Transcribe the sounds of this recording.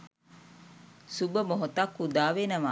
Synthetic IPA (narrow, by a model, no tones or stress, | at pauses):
subəmoɦot̪ɐkːud̪aːʋenɐʋaː